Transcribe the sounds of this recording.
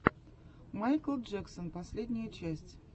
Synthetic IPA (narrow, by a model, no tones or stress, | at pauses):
majkəlˠd͡ʒɛksənpɐsʲlʲedʲnʲɪjət͡ɕæsʲtʲ